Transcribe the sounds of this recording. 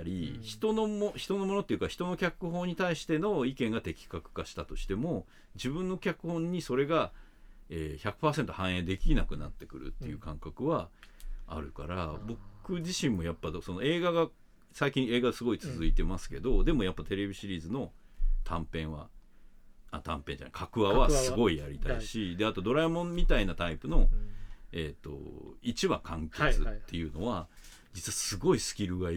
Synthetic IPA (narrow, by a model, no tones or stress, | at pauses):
aɾʲḭçi̥t̪o̞nomoçi̥t̪o̞no̞mo̞not̪ːejiɯ̟kaçi̥t̪o̞no̞kʲakɯ̟ɦo̞ːɲ̟it̪aiɕi̥t̪e̞no̞ikẽ̞ŋɡat̪e̞kʲi̥kakɯ̟̥kaɕi̥t̪at̪o̞ɕi̥t̪e̞mo̞ | d͡ʑibɯ̟̃nːo̞kʲakɯ̟hõ̞ɲ̟ːiso̞ɾe̞ɡa | eːçakɯ̟̥paːse̞nt̪o̞hãɰ̃ẽ̞d̪e̞kʲinakɯ̟nat̪ːe̞kɯ̟ɾɯ̟̰t̪ːe̞jɯ̟ːkãŋkakɯ̟βa̰ː | ɾɯ̟ka̰ɾabo̞kɯ̟ʑiɕĩmːo̞japːad̪so̞no̞e̞ːɡaɡa | saikʲĩe̞ːɡad̪esɨɡo̞it͡sɨzɨit̪e̞masɨ̥ke̞d̪o̞d̪e̞mo̞japːat̪e̞ɾe̞bʲiɕiɾʲiːzɨno̞t̪ʰãmpẽ̞ɰ̃βa | at̪ʰãmpẽ̞ɲd͡ʑa̰na̰ikʰakɯ̟βaβasɨɡo̞ijaɾʲit̪aiɕid̪e̞at̪o̞d̪o̞ɾaimõ̞mmʲit̪ainat̪aipɯ̟no̞ | e̞t̪ːo̞̰it͡ɕiβakʰãŋket͡sɨt̪ːe̞jɯ̟no̞βa | d͡ʑit͡sɨβasɨɡo̞isɨ̥kʲiɾɯ̟ɡa